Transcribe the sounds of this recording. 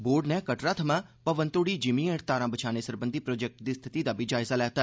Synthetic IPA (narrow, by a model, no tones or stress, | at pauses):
boːɾɖnɛːkəʈɾaːt̪ʰəmãːpəʋənt̪oːɽiːd͡ʒɪmiːeʈt̪aːɾãːbət͡ʃʰaːneːsəɾbənd̪iːpɾoːd͡ʒɛk̚ʈd̪iːst̪ʰɪt̪iːd̪aːbʱiːd͡ʒaːɪzaːlɛːt̪aː